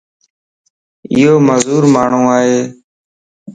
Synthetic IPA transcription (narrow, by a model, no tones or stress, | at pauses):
ɪ̰ɦoːməzuːɾmaːɳ̤ũːaːɦeː